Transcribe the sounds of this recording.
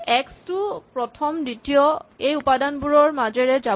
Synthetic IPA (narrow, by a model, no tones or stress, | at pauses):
ɛkstupɹɔtʰɔmditijɔejupadanbuɹɔɹmazɛɹɛza